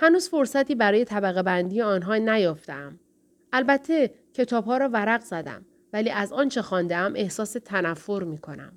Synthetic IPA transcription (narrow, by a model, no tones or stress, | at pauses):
hænuːzfo̞ɾsæt̪ʰiːbæɾɒːje̞t̪ʰæbæɣebænd̪iːjeɒːnɦɒːnæjɒːft̪ḛæm | ælbæt̪ʰːe̞cʰe̞t̪ʰɒːbɦɒːɾɒːvæɾæɣzæd̪æ̰m | væliːʔæzɒːnt͡ʃʰexɒːnd̪eæmʔe̞hsɒːse̞t̪ʰænæfːo̞ɾmiːkʰo̞næ̰m